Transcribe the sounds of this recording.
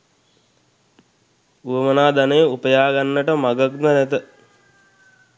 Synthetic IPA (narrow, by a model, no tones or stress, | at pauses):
uʋəmənaːd̪anəjəupəjaːɡanːəʈəmaɡəknənɛt̪ə